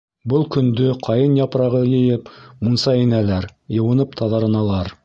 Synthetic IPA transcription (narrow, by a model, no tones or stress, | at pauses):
bɤlˠkɵ̆nd̪ɵqʰɑjɤnjɑpɾɑʁɤjɘ̆jɘpmunsɑɘ̆nælæɾjɤ̆wɤ̆nɤpt̪ʰɑðɑɾɤ̆nɑlˠɑɾ